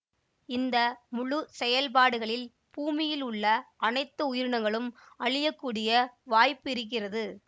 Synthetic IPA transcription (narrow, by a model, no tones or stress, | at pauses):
ɪnd̪ɐmʊɻʊsɛjɐlp̬aːɽɯɣɐɭɪl | b̥uːmɪjɪlʊɭːɐʔɐnɐɪt̪ːɐʊjɪɾɯɳɐŋɡɐɭɯm | ɐɭɪjɐkːuːɽɪjɐʋaːjpːɪɾɯk̬ːɪrɐðɯ